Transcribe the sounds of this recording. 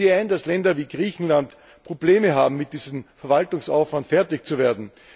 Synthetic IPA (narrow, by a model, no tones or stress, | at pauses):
iaɪndaslɛndɐviːɡʁiːçn̩lant | pʁ̥obleːməɦa̰ːbm̩mɪt̚d̥iːzəmfɛɐvaltʊŋsa̰ʊfv̥antfɛɐtɪçt͡suveːɐdn̩